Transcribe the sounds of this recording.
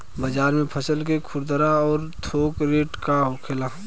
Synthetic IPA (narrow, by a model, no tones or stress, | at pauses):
bəd͡ʒaːɾmẽpʰəsəlk̬ekʰʊɾd̪əɾaɔːɾt̪ʰoːkɾeːʈkaɦokʰela